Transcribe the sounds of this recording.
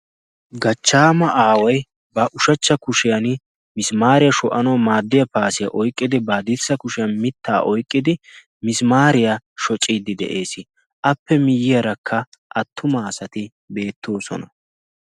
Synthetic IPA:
ɡɐt͡ʃːaːmɐʔaːwɐj | bɐʔʊʃɐt͡ʃːɐkʊʃɪjɐn | mɪsmaːɾɪjɐʃɔʔɐnɐːmaːd̪ːɪjɐpaːsɪjɐ̰ʔɔjkʼːɪd̪ɪbaːd̪ɪsːɐkʊʃɪjɐnmɪt̪ʰːa̰ːʔɔjkʼːɪd̪ɪ | mɪsmaːɾɪjaʃɔt͡ʃʼːiːd̪ɪd̪ɛ̰ʔe̞ːsɪ | ʔɐpːɛmɪjːɪjɐɾɐkʰːɐ | ʔɐt̪ʰːʊmɐːsɐt̪ɪ | be̞ːt̪ʰːo̞ːsɔ̰nɐ

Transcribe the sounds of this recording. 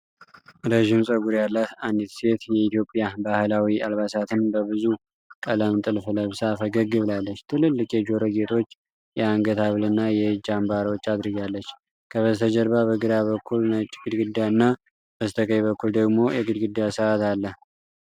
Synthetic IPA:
ɾəʒɪmsʼəɡuɾjalːəand̪it̪se̞t̪jɛit̪jo̞pʼːjabahlawialβasat̪ʰɨnbəβɨzu | kʼələmt̪ʼɨlfɨləβsafəɡəɡɨβlalːət͡ʃːt̪ʰɨlɨlːɨkʼjɛd͡ʒo̞ɾəɡe̞t̪ʰo̞t͡ʃː | jɛaŋɡət̪ʰaβlɨnːajɛd͡ʒambaɾwot͡ʃːad̪ɾɨɡalːət͡ʃː | kʰəβəzt̪ʰəd͡ʒəɾbaβəɡɨd̪aβəkʰːulnət͡ʃʼɡ̥ɨd̪ɡɨd̪ːanːa | b̥əzt̪ʰəkʼəjβəkːuld̪əɡmo̞jɛɡɨd̪ɡɨd̪ːasəʔat̪alːəh

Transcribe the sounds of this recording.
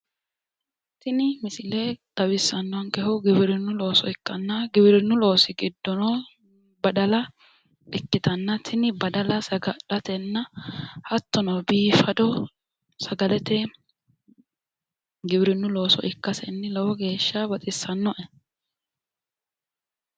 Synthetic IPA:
t̪ɪnɪmɪsɪleːd̪̥ɐbɪsːɐnːɔwɐŋkɛhʊɡɪbɪɾɪnːʊlo̞ːsɔɪkːɐnːɐɡɪbɪɾɪnːʊlo̞ːsɪɡɪd̪ːɔnɔ | bɐd̪ɐlɐ | ɪkːɪt̪ɐnːɐt̪ʰɪnɪbɐd̪ɐlɐsɐɡɐᶑɐt̪ɛnːɐhɐt̪ːɔnɐwbiːfɐd̪ɔ | sɐɡɐlɛt̪ɛ | ɡɪbɪɾɪnːʊlo̞ːsɔ̰ʔɪkːɐsɛnːɪlɐwɔɡe̞ːʃːɐbɐt̪ʼɪsːɐnːɔʔɛ

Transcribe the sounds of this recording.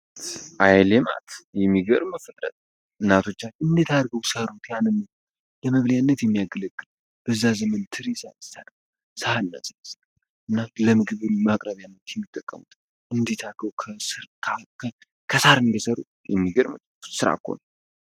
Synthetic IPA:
ʔajlema̰t̪jɛmːiɡəɾməfət̪ʼɾə̰t̪ʼ | ʔɨnːat̪ʰo̞t͡ʃːat͡ʃɨnd̪et̪ʰad̪ɾɡəwsəɾut̪janɨnːəw | ləməβljanːət̪jɛmːijaɡələɡːɨl | b̥əzːazəmənt̪ʰɨɾesaɨsan | səhanːa̰sʼəls | ʔɨnːaləmɨɡɨβɨnmakʼɾəβjanːət̪jɛmːit̪ʼːəkʼːəmut̪ | ʔɨnd̪et̪ʰaɾɡəwkʰəsɨɾkʰakʰə | kʰəsaɾɨnd̪ɛsəɾṵt̪jɛ̰mːiɡəɾmə | sɨɾa̰kʰːo̰n

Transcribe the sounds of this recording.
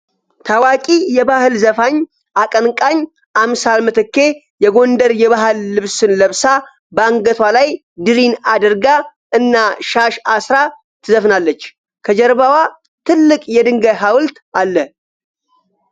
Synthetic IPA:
t̪ʰawakʼijɛbahɨlzəfaɲː | ʔakʼənkʼaɲː | ʔamsalmɨt̪ʰɨkːe̞ | jɛɡo̞nd̪əɾjɛβaɦɨlːɨβsɨnləβsa | bəaŋɡət̪ʰwalaj | d̪ɨɾinad̪əɾɡaʔɨnːaʃaʃasɾa | t̪ʰɨzəfnalːət͡ʃː | kʰəd͡ʒɛɾbawa | t̪ʰɨlːɨkʼjɛd̪ɨŋɡəjɦawlt̪ | alːə

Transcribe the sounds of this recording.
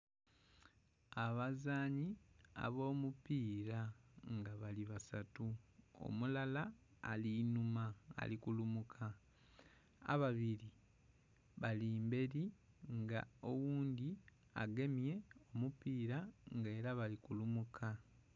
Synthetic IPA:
aβazaːɲia̰βo̞ːmupiːɾaŋɡaβaliβasatuo̰mulalaː | linumaa̰likulumukʰa | a̰βaβiɾi | βaliːmbe̞ɾi | ŋɡa̰o̞wuːndi | a̰ɡe̞mje̞o̞mupiːɾaŋɡe̞ːɾaβalikulumukʰa

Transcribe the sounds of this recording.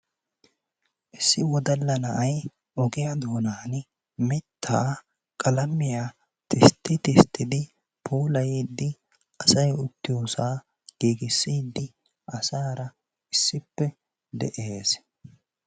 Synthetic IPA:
ʔɪsːɪwɔd̪ɐlːɐnɐʔɐj | ʔɔɡɪjɐd̪oːnaːn | mɪt̪ʰːaː | kʼɐlɐmːɪja | t̪ɪst̪ːɪt̪ɪst̪ʰːɪd̪ɪ | pʰoːlɐjiːd̪ːɪ | ʔɐsɐjʊt̪ːɪjoːsaː | ɡ̥iːɡɪsːiːd̪ːɪ | ʔɐsaːɾɐ | ɪsːɪpːɛ | d̪ɛ̰ʔeːs

